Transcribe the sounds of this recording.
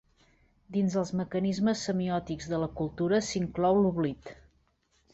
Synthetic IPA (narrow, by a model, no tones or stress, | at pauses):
d̪inzəlˠzməkənizməsːəmiɔt̪iɡzðələkulˠt̪uɾəsiŋklɔwluβlit̪